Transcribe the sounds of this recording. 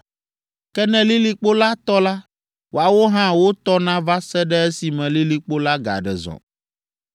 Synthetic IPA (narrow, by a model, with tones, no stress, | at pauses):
kɛ˦nɛ̃˦li˦li˨k͡po˦la˦t̪ɔ˦la˦ | wʔo˨a˨wo˦ɦã˦wo˦t̪ɔ˦nã˦va˦sɛ˦ɖɛ˦ɛ˦si˨mɛ̃˨li˦li˨k͡po˦la˦ɡa̰˨ɖɛ̰˨zɔ̰̃˨